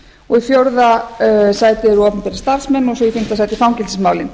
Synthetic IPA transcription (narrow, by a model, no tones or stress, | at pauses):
ɔɣiθjowɾðasaːjt̪ɪɾɔːθmpɛɾɪ̥st̪aɾ̥smɛnɔsɔifim̥t̪asaːjt̪ɪ̥fawŋcɛlɪsmaːwlɪn